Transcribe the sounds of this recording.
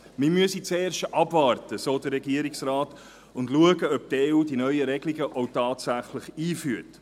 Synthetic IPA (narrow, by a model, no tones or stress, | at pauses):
mɪmyəsit͡seːɾʃtʔɑbvɑːrtəsoːdəɾːɛɡiəɾiksrɑːt | ʊndluəɡəœp̚tɛudinœʏəɾɛɡliɡəʔɔʊtɑːtsæχləχiːfyːt